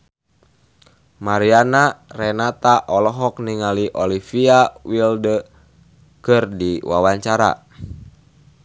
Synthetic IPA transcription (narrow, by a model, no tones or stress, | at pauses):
maɾianarɛnat̪aʔɔlɔɦɔkniŋaliʔɔlifiawildə | kɨrdiwa̰waɲt͡ʃaɾa̰